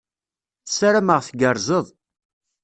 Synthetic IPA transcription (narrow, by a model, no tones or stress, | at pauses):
θəsaɾaməʁθɡəɾˤzˤəðˤ